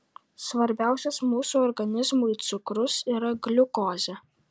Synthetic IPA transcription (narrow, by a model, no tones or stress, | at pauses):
sʋɐɾʲbʲæˑʊsʲɛsmuːsuːɔɾɡɐnʲɪzmʊɪt̪sʲʊkɾʊsiːɾɐɡlʲʊkoːzʲɛ